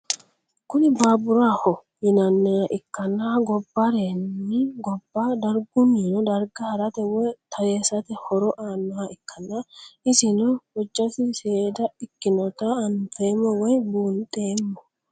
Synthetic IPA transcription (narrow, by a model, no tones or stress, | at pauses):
kʊnɪbaːbʊɾaːhɔ | jɪnɐnːɛjɐʔɪkːɐnːaːɡɔbːɐɾeːnːɪɡɔbːad̪ɐɾɡʊmiːnɔd̪ɐɾɡɐhɐɾɐt̪ɛwɔjt̪ʰɐjeːsɐt̪ɛhɔɾɔʔaːnːɐaɪkʰːɐnːaɪsɪnɔwɔd͡ʒːɐsɪseːd̪ɐɪkːɪnɔt̪aːnfeːmːɔwɔjbuːnt̪ʼeːmːɔ